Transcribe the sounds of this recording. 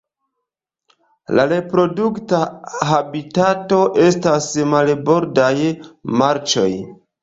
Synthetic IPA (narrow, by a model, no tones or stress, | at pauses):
laɾe̞pɾo̞duktaɦabitato̞ʔe̞stasmalbo̞ɾdajmaɾt͡ʃo̞̰j